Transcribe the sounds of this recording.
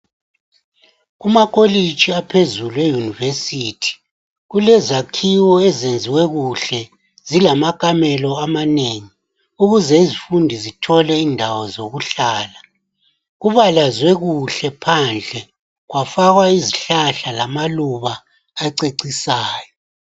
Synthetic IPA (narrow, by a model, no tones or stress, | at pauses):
ɣumakʼolit͡ʃʼiapʰezuluejunivesiːtʰi̥ | ɣulɛzakʰiwɔɛzend͡zʱiwɛɣuɬɛ | zilamakʼamɛlɔamaneːŋi | uɣuzɛizifundʱizitʰɔlɛindʱawɔzoɣuɬaːla | ɣuβalazwɛɣuɬɛpʰand͡ɮʱɛ | ɣwafaɣwaiziɬaɬalamaluβaː | ǀeǀisaːjɔ